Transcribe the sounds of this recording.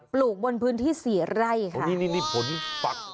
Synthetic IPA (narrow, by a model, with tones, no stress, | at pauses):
pluː˨˩k̚bo˧npʰɯː˦˥nt̪ʰiː˥˩siː˩˦ɾa˥˩jkʰa˦˩ni˦˥˨miː˥˧˩miː˧˩pʰo˨˦nfa˨˩